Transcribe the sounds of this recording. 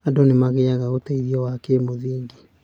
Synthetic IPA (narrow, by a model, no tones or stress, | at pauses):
adɔnemaɣeaɣaotaiðiɔwakemoðiːŋɡi